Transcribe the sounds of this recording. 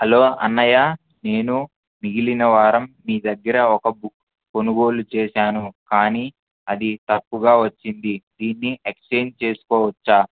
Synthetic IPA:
hɐlo̞ːʔɐ̰nːɐjaː | ne̞ːnu | miɡilinɐʋaːɾɐmːiːd̪ɐɡːɐɾɐɔkɐbuk | ko̞nuɡo̞ːlut͡ʃeːʃaːnukaːniː | ɐd̪it̪ɐpːuɡaːʋɐt͡ʃːind̪id̪iːnːiekst͡ʃeːnt͡ʃe̞ːsu̥kɔːʋɐt͡ʃːaː

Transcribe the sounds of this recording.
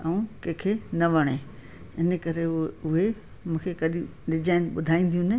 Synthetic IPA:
ɐũkẽkʰenɐʋɐɽ̃e | ɪnə̆kɐɾeʊɦe | mũːkʰekɐɗũɖɪd͡ʑaːɪnɓʊd̪ʱaːĩːn̆d̪ijũnɪ

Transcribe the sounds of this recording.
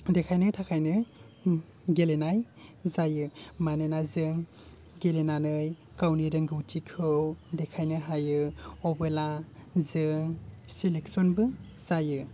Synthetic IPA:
dekʰajnɯtʰakʰajnɯ | ɡelenaj | zajɯmanenazɯŋ | ɡelenanɯj | kawniɾɯŋɡɯwtʰikʰɯwdekʰajnɯɦajɯɔbɯlazɯŋsilek̚sɔnbɯz̥ajɯ

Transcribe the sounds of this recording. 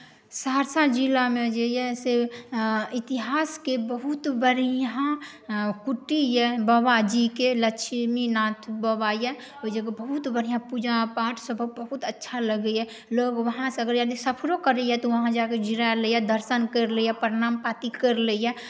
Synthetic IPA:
saːɾsaɾd͡ʒilamẽd͡ʒejɛse | it̪iɦaːskebəɦut̪bəɾã | kuʈijɛbəbad͡ʒikeləkʃminãt̪ʰbəbajɛ | od͡ʒekebəɦut̪bəɾijãpud͡ʒapaːʈʰsəbʱəbəɦut̪ətːʃʰaləɡəɛ | loːɡʋəɦãseəɡəɾjad̪isəpʰɾokəɾəjɛt̪oʋəɦãd͡ʒaked͡ʒiɾaləjɛd̪əɾsənkəɾlejɛpəɾnaːmpat̪ikəɾləjɛ

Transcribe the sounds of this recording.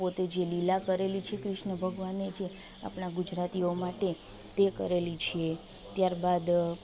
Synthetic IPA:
pot̪ed͡ʒelilakəɾelit͡ʃʰekɾɪʃnəbʱəɡʋaned͡ʒe | a̰pnaɡud͡ʒɾat̪iomaʈe | t̪ekə̰ɾelit͡ʃʰie | t̪jaɾbad̪

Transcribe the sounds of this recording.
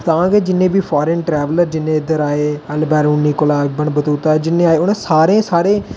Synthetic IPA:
t̪ãːɡeːd͡ʒɪnːẽːbiːpʰɔːɾẽːnʈɾɛːʋələɾd͡ʒɪnːẽːɪd̪əɾaːeːəlbɛːɾuːniːkʊlaːbəɳbət̪uːt̪aːd͡ʒɪnːẽːaːeːʊnẽːsaːɾẽːsaːɾẽː

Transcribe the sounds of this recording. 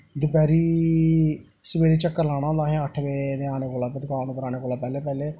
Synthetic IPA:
d̪ʊpɛːɾiː | səbeːɾiːt͡ʃəkːəɾlaːɽ̃ãːd̪aːɦɛːəʈʰbeːd̪eːaːneːkoːlaːped̪ʊkaːnũːpəɾaːneːkoːlaːpɛːleːpɛːleː

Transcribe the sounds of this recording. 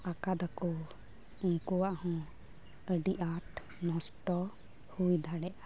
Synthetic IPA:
akad̪akɔ | uŋkɔwaʔhɔ̃ | əɖiʔaʈ | nɔ̃sʈɔ | hujd̪ʱaɽɛʔa

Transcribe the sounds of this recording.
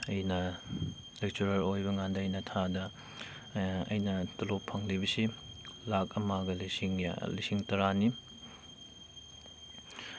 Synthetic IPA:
ɐjnɐ | lek̚t͡ʃuɾɐlojbɐŋandɐɐjnɐtʰadɐ | ɐ̰jnɐtɐlopʰːɐŋlibɐsilak̚ɐmaɡɐlisiŋ̰lisiŋtɐɾani

